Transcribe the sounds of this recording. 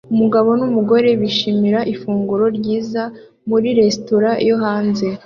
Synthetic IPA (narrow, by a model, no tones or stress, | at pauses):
umuɡaβo̞numuɡo̞ɾe̞βiʃimiɾaʔifuːŋɡuɾo̞ɾɟiːza | muɾiɾe̞stoɾaḭjo̞ɦaːnze̞